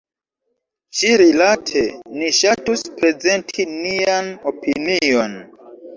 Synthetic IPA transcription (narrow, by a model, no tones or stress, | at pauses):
ʃiɾilatʰe̞niʃatuspɾe̞ze̞ntʰiniano̞pinio̞n